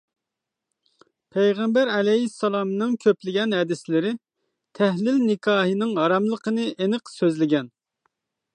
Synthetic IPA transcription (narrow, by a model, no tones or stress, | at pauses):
pʰɛjʁɛmbæɾɛlɛɦisːɑlˠɑmnɨŋkʲʰøplɪɡʲɛnɦɛd̪ɪslɪɾɪ | t̪ʰæɦlɪlnɪkʰɑːɦɨnɨŋɦɑɾɑmlˠəqənɨʔenɨqsøzlɪɡʲɛn